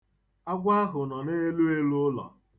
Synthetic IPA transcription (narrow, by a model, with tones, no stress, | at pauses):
a˦ɡʷa˦a˦ɦʊ˨nɔ˨ne˦e˦lu˦e˦lu˦ʊ˦lɔ̰˨